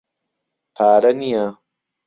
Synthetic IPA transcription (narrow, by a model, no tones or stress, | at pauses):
paːɽɐnija